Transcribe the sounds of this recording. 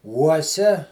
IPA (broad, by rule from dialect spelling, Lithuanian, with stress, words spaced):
ˈuɔsʲɛ